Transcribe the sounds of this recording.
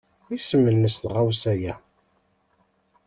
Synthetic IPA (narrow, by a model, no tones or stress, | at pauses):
isəmːənːəst̪ʁawsæjæ